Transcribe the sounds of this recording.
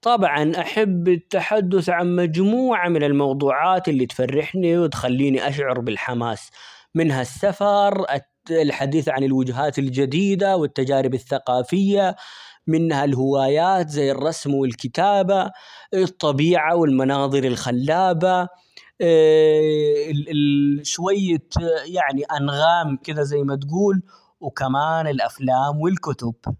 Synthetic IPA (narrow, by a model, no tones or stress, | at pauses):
t̪ˤɑbʕɑnʔaħabːɪt̪ːaħad̪ːʊθʕanmad͡ʒmuːʕamɪnɪlmɑwd̪ˤuːʕaːt̪ɪlːit̪farːɪħniwɪt̪xalːiːniʔaʃʕʊɾˤbɪlħamaːs | mɪnɦasːafɑɾˤ | lħad̪iːθʕanɪlwʊd͡ʒɦaːt̪ɪld͡ʒad̪iːd̪awɪt̪ːad͡ʒaːɾɪbaθːaqɑːfɪjːamɪnhalhɪwaːjaːt̪zajːɨrˤːɑsmwɪlkɪt̪aːbaɨt̪ˤːɑbiːʕawɪlmɑnɑːðˤɨɾɪlxalːaːba | ʃwajːajaʕniʔanɣaːmkɪd̪azajːmat̪ɡuːl | wkamaːnɪlʔaflaːmwɪlkʊt̪ʊb̥